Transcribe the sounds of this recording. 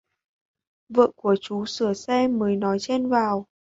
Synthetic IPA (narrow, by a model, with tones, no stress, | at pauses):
və̰˧˨ku˧˩ət͡ɕu˨˦sɨ˧˩əsɛ˧məː˨˦jnɔ˨˦jt͡ɕe˧nvaː˨˩w